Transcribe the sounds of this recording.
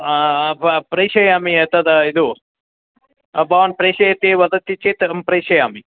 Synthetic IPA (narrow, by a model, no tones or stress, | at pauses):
ppɾɐjʃɐjaːmiet̪ɐd̪ɐid̪u | ɐbaːnpɾɐːʃɐjɐt̪iʋɐd̪ɐt̪ːit͡ʃit̪ɐmpɾɐjʃɐjaːmi